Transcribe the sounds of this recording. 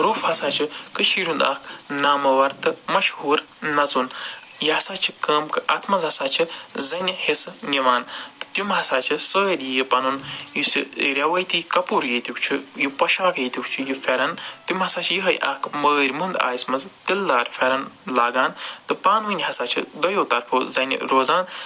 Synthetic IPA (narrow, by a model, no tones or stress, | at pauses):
ɾoːfhɐsaːt͡ʃʰikɨʃiːɾʲũnd̪aːkʰnaːmɐʋɐɾt̪ɨmɐʃhuːɾ | nɐzun | jɐɦɐsaːt͡ʃʰikəːmkɨʔɐt̪ʰmɐnzɦɐsaːt͡ʃʰizɐnʲhesnʲiʋaːnt̪ɨ̥t̪jumɦɐsaːt͡ʃʰisəːɾʲijipɐnunjusḭɾʲɐʋɐjt̪iːkɐpuːɾjet̪ukt͡ʃʰijupɐʃaːkjet̪ukt͡ʃʰijufʰʲeɾɐnt̪umɦɐsaːt͡ʃʰijiɦɐjʔɐ̰kʰməːɾʲmund̪a̰ːjsmɐzt̪ilːaːɾʲfʰʲeɾɐnlaːɡaːnt̪ɨpaːnʋɨnʲɦɐsaːt͡ʃʰḭd̪ɐjoːt̪ɐɾpʰuːzɐn̰ʲɾoːzaːn